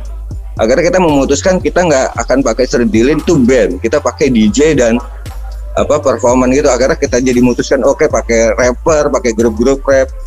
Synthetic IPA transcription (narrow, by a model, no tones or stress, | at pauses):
ʔa̰karakit̪aməmut̪uskankit̪aŋɡaʔa̰kanpakajsərdilɪnt̪ubɛmkit̪apakɛjdid͡ʒedan | ʔa̰papərfɔrmanɡit̪uakarɲakit̪ad͡ʒadimut̪uskanokepakɛjrɛpərpakɛɡɾʊp̚ɡɾʊp̚rɛp̚